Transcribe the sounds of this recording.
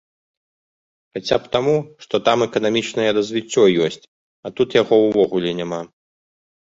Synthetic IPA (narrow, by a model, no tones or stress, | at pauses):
xat͡sʲapt̪amuʂt̪ɔt̪amɛkɐnamʲit͡ʂnɐjɛɾɐzʲvʲit͡sʲːɔjɔsʲt͡sʲ | ɐt̪ut̪jaɣɔwvɔɣulʲɛnʲama